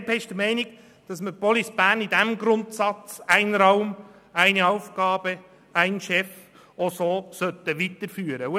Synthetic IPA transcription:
bɛʃd̥əmɛɪnɪɡ̥ | d̥ɑsməpɔlisb̥æːnidæmɡɾʊntsɑt͡sæɪnɾɑʊm | æɪniɑʊfɡ̥ɑːb̥ə | æɪnʃɛf | osoːsœt̪əʋitəɾfyːɾə

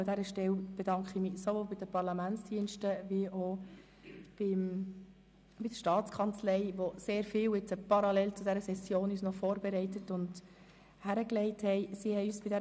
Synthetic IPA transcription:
dæɾəʃtɛwb̥ɛdɑŋkχimɪsovoːlbɪd̥əpɑɾlɑmænt͡sd̥iənʃtəʋiʔo | b̥ɪm | b̥ɪd̪əʃtɑːt͡skʰɑnt͡slɛɪʋoseːɾfɪːwɪt͡səpɑɾɑlɛlt͡sʊdæɾəsɛsjoːnyːsnɔfɔːɾbeɾɛɪtətʊnd | hæɾəklɛɪthɛɪsihɛjyːsb̥ɪdɛ

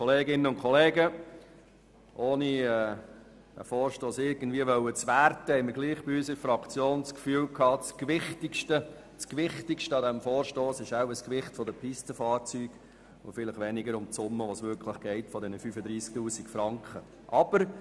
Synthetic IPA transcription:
kʰɔleːɡɪnəʊnkʰɔleːɡə | ʔoːniɛː | d̥æ̰fɔːɾʃtoːsɪɾɡən̩dviəʋœwət͡sʋærtəhɛɪməɡliːχb̥iysəɾfɾɑkt͡sjoːnskfyːlkʰɑːt͡skʋɪχtɪkʃtə | t͡skʋɪχtɪkʃtəɑdɛmfɔːɾʃtoːsɪʃaʊəskʋɪχtfɔd̪əpʰistəfɑːɾt͡syːɡ̥ | ofɪlɪχʋɛnɪɡəɾʊmt͡sʊmːəʋosʋʏɾkʰləχɡ̥ɛɪtfɔd̪ɛnəfyfəd̪ɾiːsk̚tuːsɪkfɾɑŋkχə | ʔɑb̥əɾ

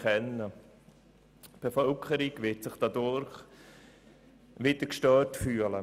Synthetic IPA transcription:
ɛnːə | b̥efœlkʰəɾiɡʋɪtsɪχd̥ɑdʊɾχ | ʋɪdəkʃtœːtfyːələ

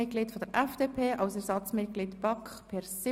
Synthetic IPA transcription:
ɪt̚ɡ̥liːtfod̥əɾʔɛfd̥eːpʰeːʔɑwsɛɾsɑt͡smɪt̚ɡ̥liːtb̥ɑkχpʰɛɾsɪ

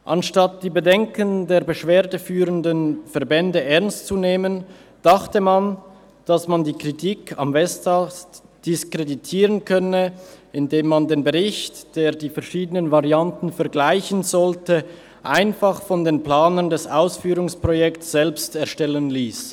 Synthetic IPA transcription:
ʔanʃtat̚d̥iːbədɛŋkəndeːɐbəʃv̥eːɐdəfyːʁəndənfɛɐʁbɛndəʔɛɐnstt͡suneːmənd̥aχtəman | d̥asmandiːkʁ̥itʰiːkʰa̰mvɛstʰaːs | d̥ɪskʁ̥editʰiːʁənkʰœnəɪndeːmːandeːnbəʁɪçtd̥eːɐdiːfɛʁʃiːdənənvaʁiantn̩fɛɐɡlaɪçnzɔltə | ʔaɪnfaχfɔndeːnpl̥aːnəndɛsʔaʊsfyːʁʊŋspʁ̥ojɛktsz̥ɛlpstɛɐʃtɛlənliːs

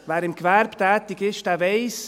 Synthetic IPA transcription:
vɛːɾɪmɡvɛɾbt̪ɛːt̪ɪɡɪʃtɛːvɛɪs

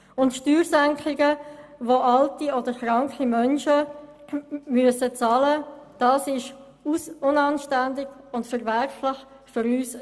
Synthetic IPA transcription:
ʊntʃtyːɾsæŋkχɪɡəʋoʔɑltiɔdəɾχɾɑŋkχimœnʃə | myəsət͡sɑːləd̥ɑːsɪʃ | usʊnɑnʃtændɪɡ̥ʊndfəɾvɛɾflɪχ | fʏɾyːs

